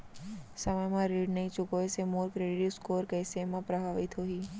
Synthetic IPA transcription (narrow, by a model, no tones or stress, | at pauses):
sɐməjmãɾiːɖnɐɦĩt͡ʃʊkoesemoːɾkɾeːɖɪʈiskoːɾkɐɪsemãpɾɐbʱaːʋɪt̪ɦoːɦiː